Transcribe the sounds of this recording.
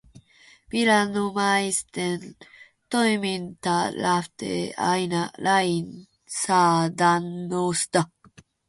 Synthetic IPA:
biɾanumajst̪en | t̪ojmint̪alaft̪ḛa̰jnalain | sad̪anːost̪a

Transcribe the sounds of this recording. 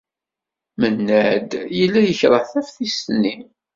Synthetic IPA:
mənːæd̪jəlːæjəçɾˤəθæfθisni

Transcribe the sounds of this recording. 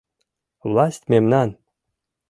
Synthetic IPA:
vlˠɑsʲtʲmʲemnɑn

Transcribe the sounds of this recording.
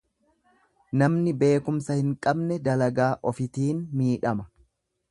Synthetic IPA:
nɐmnɪbe̞ːkʊmsɐhɪŋkʼɐbnɛd̪ɐlɐɡaːʔɔfɪt̪iːnmiːᶑɐmɐ̥

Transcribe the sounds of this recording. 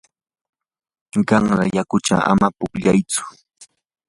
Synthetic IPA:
ɢɑŋɾɑ̰jakʊt͡ʃa̰a̰mapʊkʎajt͡sʊ̥

